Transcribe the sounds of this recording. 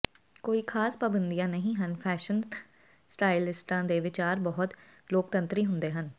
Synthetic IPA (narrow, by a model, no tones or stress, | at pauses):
koːiːkʰaːspəbənd̪ijãːnəɦĩːɦənpʰɛːʃən | sʈaːɪlɪsʈãːd̪eːʋɪt͡ʃaːɾbɔːʊt̪ | loːk̚t̪ə̃nt̪ɾiːɦʊ̃nd̪eːɦən